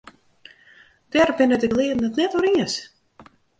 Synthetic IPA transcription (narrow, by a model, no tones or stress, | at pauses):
d̥ɛrbɪnətəklɪədn̩ətnɛtəɾiəs